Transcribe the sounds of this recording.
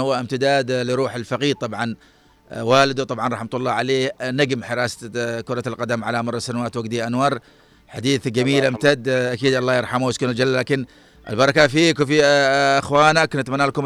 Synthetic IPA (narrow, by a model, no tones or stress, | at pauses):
hʊwːaʔɪmt̪ɪd̪aːd̪lɪɾˤuːħɪlfɑqiːɾt̪ˤɑbʕɑn | waːlɪd̪ut̪ˤɑbʕɑnˤɑħmat̪ʊlˤːɑːʕaleːnaɡmħɪɾɑːskʊɾˤɑlqɑd̪amʕalamɑrˤːɑsanawaːt̪waɡt̪iʔanwɑːɾˤ | ħad̪iːθɡamiːlʔamt̪ad̪ʔakiːd̪ʔɑlˤːɑːjɪɾˤħamuwɪskʊnʊd͡ʒalːlːaːkɪn | ʔɪ̰lbɑɾˤɑkafiːkwfiʔɪxwaːnaknɪt̪manːaːlkʊm